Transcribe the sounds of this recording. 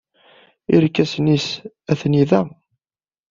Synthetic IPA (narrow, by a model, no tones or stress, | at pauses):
iɾkːæsnis | æθniðæ